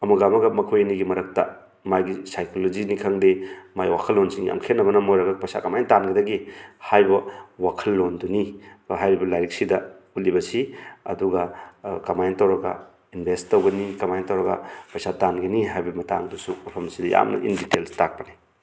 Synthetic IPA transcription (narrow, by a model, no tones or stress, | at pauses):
ɐmɐɡamɐɡɐmɐkʰojniɡimɐɾɐk̚tɐ̰ | majɡisajkʰolod͡ʒinikʰaŋdemajwakʰɐlːonsiŋja̰mkʰetnːɐbɐnɐmojɾɐɡɐpɐsa̰kɐmajntanɡɐdɐɡihajbɐwakʰɐlːonduniɦajɾibɐlajɾiksidɐ | ulibɐsiɐ̰duɡɐkamajntɐwɾɐɡɐ̰ | inbʱesttːɐwɡɐnikɐmajntɐwɾɐɡɐ̰pɐjsatanɡɐniɦajbɐmɐtaŋdusumɐpʰɐmɐsidɐja̰mnɐ̰ʔḭnditelstak̚pɐnaj